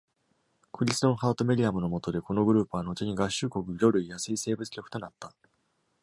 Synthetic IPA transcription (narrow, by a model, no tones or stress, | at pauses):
kɯ̟ɾʲisɨ̥õɰ̃haɯt̪o̞mʲe̞ɾʲiamɯ̟no̞mo̞t̪o̞d̪e̞ko̞no̞ɡɯ̟ɾɯ̟ːpːɯ̟βano̞t͡ɕiɲ̟iɡaɕɨːko̞kɯ̟jʲo̞ɾɯ̟jasɨise̞ːbɯ̟t͡sɨ̥o̞kɯ̟t̪o̞nat̪ːa